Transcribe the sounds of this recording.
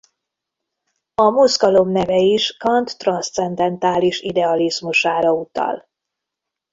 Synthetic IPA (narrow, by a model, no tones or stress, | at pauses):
ɒmuzɡɒlo̞mnɛvɛiʃkɒnt̪ːrɒnst̪sɛnd̪ɛnt̪aːliʃid̪ɛɒlizmuʃaːɾɒut̪ɒ̰l